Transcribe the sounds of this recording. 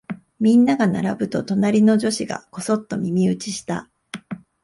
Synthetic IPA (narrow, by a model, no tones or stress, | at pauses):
mʲĩnːaɡana̰ɾabɯ̟t̪o̞t̪o̞naɾʲino̞ʑo̞ɕiɡa̰ko̞so̞t̪ːo̞mʲimʲiɯ̟t͡ɕiɕi̥t̪a̰